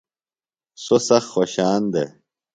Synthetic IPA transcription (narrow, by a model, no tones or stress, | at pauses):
sosɐxxoɕaːnd̪ḛ